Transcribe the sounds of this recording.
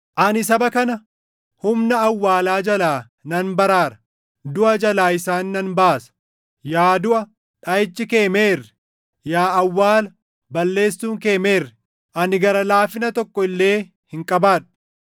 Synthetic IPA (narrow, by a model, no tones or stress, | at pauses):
ʔɐnɪsɐbɐkɐnɐ | hʊmnɐːwːaːlaːd͡ʒɐlaː | nɐnbɐɾaːɾɐ̥ | d̪ʊʔɐd͡ʒɐlaːɪsaːnːɐnbaːsɐ̥ | jaːd̪ʊʔɐ | ᶑɐjɪt͡ʃːɪke̞ːme̞ːrːɛ̥ | jaːwːaːlɐ | bɐlːe̞ːsːuːŋke̞ːme̞ːrːɛ̥ | ʔɐnɪɡɐɾɐlaːfɪnɐt̪ɔkʼːɔɪlːe̞ː | hɪŋkʼɐbaːᶑʊ̥